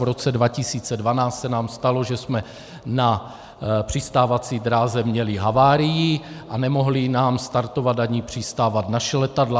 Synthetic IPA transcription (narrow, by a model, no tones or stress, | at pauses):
vɾo̞t͡sɛdvacisiːt͡sɛdvanaːt͡st̪sɛnaːmst̪alo̞ʒɛsmɛ | na | pr̥ist̪aːvat͡siːd̪ɾaːzɛmɲɛliɦavaːɾɪjɪʔanɛmo̞ɦlɪnaːmst̪aɾt̪o̞vad̪aɲipr̝̥ist̪aːvat̪naʃɛlɛt̪adla